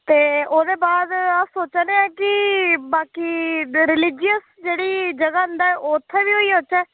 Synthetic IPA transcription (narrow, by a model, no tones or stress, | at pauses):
t̪eːoːd̪eːbaːd̪asoːt͡ʃaneaːkɪbaːkiːɾɪlɪːd͡ʒɪəs | d͡ʒeːɽiːd͡ʒəɡaːʊ̃nd̪aːɛʔoːt̪ʰːɛːʋiːɦoːiːɦoːt͡ʃɛː